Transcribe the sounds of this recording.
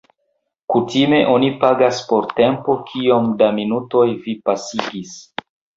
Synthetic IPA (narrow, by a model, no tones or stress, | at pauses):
kutime̞ʔo̞nipaɡaspo̞ɾte̞mpo̞kʰio̞mdaminuto̞jvipasiɡis